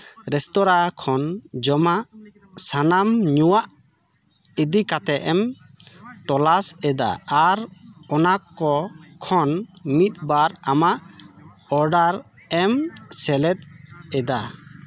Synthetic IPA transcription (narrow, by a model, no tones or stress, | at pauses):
ɾɛst̪ɔɾakʰɔnd͡ʒɔmaʔ | sanamɲuwaʔ | id̪ikat̪ɛʔɛm | t̪ɔlasɛd̪a̰ːɾɔnakːɔkʰɔnmit̪̚baɾamaʔ | ɔɾɖaɾ | ɛmsɛlɛt̪̚ɛd̪a